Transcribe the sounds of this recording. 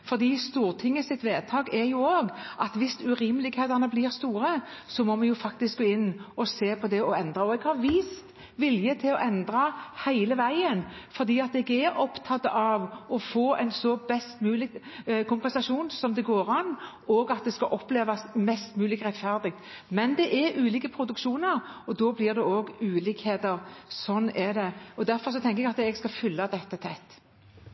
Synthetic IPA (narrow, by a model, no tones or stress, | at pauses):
fɔʁd̪iːst̪uːɾt̪ʰɪŋːəsɪt̪ʋeːd̪̚t̪ʰɑːɡɛɾjʊoːɡʔɑt̪ʋɪsʉɾiːmlɪɡheːd̪ənəblɪːʁst̪uːɾəsɔmɔmɑnjʊfɑk̚t̪ɪsk̚ɡoːɪnːɔseːpʰɔd̪ɛɔɛnd̪ɾɑɔɛɡhɑɾʋiːst̪ | ʋɪljət̪ʰɪlɔʔɛnd̪ɾɑhæɪləʋæɪənfɔʁd̪iːɑt̪̚d̪ɛɡɛɾɔpt̪ʰɑt̪ːəʔɑʋɔfoːɛɪnsɔbɛst̪mʉːlɪɡ̪ | kʰʊmpɛnsɑʂuːnsɔmd̪ɛɡoːɾɑn | oːɡɑt̪̚d̪ɛskɑʔɔpleːʋɑsmɛst̪mʉːlɪkɾʁɛt̪fæʁd̪ɪɡ̚t̪ | mɛnd̪ɛʔɛɾʉːliːkəpʰɾʊd̪ʉkʃuːnəɾɔd̪oːblɪʁd̪ɛoːɡʉːliːkheːt̪əɾsɔnːɛd̪ɛɔd̪æɾfɔʁs̬ɔt̪ʰɛŋkəɛɡɑt̪ɛɡskɑfʏlːɑd̪ɛt̪ːət̪ʰɛt̪ː